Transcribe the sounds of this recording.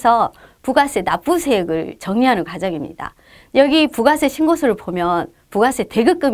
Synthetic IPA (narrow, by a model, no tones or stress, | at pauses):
sʰʌpuɡas͈ʰenap͈usʰeɡɯɭt͡ɕʌŋɲiɦanɯnkad͡ʑʌɡimɲḭd̥a̰ | jʌɡipuɡasʰeɕʰinɡosʰɯɾɯɭpomjʌn | puɡasʰete̞ɡɯk͈ɯm